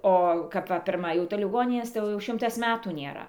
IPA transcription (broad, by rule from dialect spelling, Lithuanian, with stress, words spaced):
ˈoː kɐp ˈʋɐ pʲɪrˈmɐ jɛʊ tɐɪ lʲɪˈɡoːnʲɪnʲeːs tɐɪ ˈjɛʊ jɛʊ ˈʃʲɪmtɐs ˈmʲæːtuː nʲeːˈrɐ